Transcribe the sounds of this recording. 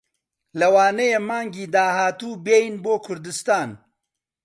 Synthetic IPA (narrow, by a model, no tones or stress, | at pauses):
lɐwaːnɐjemaːŋɡiːd̪aːhaːt̪uːbejnboːkʰʊɾd̪ɨst̪aːn